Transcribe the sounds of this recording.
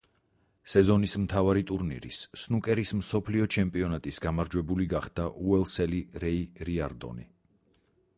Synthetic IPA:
sɛzɔnismt̪ʰavaɾit̪ʼuɾnḭɾḭsːnukʼɛɾismsɔpʰliɔt͡ʃʰɛmpʼiɔnat̪ʼisɡamaɾd͡ʒwɛbuliɡaχd̪̥aʔuɛlˠsɛliɾɛiɾiaɾd̪ɔ̰ni

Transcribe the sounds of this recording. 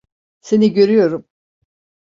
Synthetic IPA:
se̞niɟø̞ɾyjo̞ɾum

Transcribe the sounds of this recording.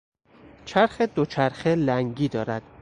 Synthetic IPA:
t͡ʃʰæɾxed̪ot͡ʃʰæɾxelæŋɡiːd̪ɒːɾæd̪̥

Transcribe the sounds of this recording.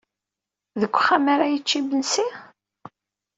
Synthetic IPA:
ðəkʷːχamaɾajət͡ʃːibənsi

